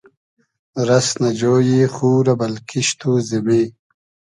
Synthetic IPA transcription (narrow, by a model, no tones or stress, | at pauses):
ɾɐsnɐd͡ʑoːjiːxuːɾɐbɐlkʰiɕt̪uzimiː